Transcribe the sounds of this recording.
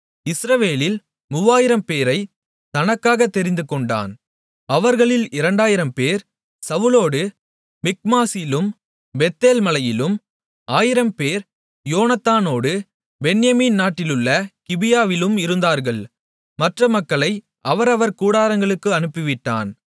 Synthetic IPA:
ɪsɾɐʋeːlɪl | mʊʋaːjɪɾɐmpeːɾɐɪ | t̪ɐnɐkːaːɣɐt̪ːɛɾɪnd̪ɯkɔɳɖa̰ːn | ɐʋɐɾɣɐɭɪlɪɾɐɳɖaːjɪɾɐmpeːɾ | sɐʋɯloːɽɯ | mɪk̚maːsɪlɯm | bɛt̪ːeːlmɐlɐjɪlɯm | aːjɪɾɐmpeːɾ | joːnɐt̪ːaːnoːɽɯ | bɛɳjɐmiːnnaːʈːɪlɯɭːɐkɪbɪjaːʋɪlɯmɪɾɯnd̪aːɾɣɐɭ | mɐʈrɐmɐkːɐɭɐɪ | ʔɐʋɐɾɐʋɐɾkuːɽaːɾɐŋɡɐɭɯkːɯɐnɯpːɪʋɪʈːa̰ːn

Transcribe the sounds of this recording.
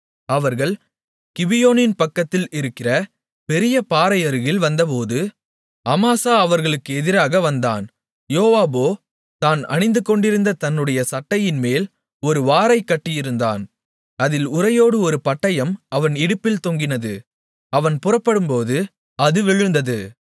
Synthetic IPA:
ɐʋɐɾɣɐɭ | kɪbɪjoːnɪnpɐkːɐt̪ːɪlɪɾɯkːɪrɐ | pɛɾɪjɐpaːɾɐjɐɾɯɣɪlʋɐnd̪ɐp̬oːðɯ | ɐmaːsaːɐʋɐɾɣɐɭɯkːɯɛðɪɾaːɣɐʋɐnd̪a̰ːn | joːʋaːboː | t̪aːnɐ̰ɳɪnd̪ɯkːɔɳɖɪɾɯnd̪ɐt̪ɐnːɯɽɐjɐsɐʈːɐjɪnmeːl | ɔɾɯʋaːɾɐɪkːɐʈːɪjɪɾɯnd̪a̰ːn | ɐðɪlʊrɐjoːɽɯɔɾɯpɐʈːɐjɐmɐʋɐnɪɽɯpːɪlt̪oŋɡɪnɐðɯ | ɐʋɐnpʊrɐpːɐɽɯmpoːðɯ | ɐðɯʋɪɻɯnd̪ɐðɯ

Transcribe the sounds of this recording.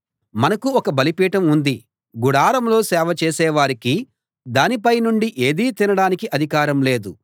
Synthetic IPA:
mɐnɐkuɔkɐbɐlipiːʈɐmund̪i | ɡuɽaːɾɐmlo̞ːsɛːʋɐt͡ʃɛːsɛːʋaːɾiki | d̪aːnipɐjnuɳɖiʔe̞ːd̪iːt̪inɐɽaːnikiʔɐd̪ʱikaːɾɐmle̞ːd̪u

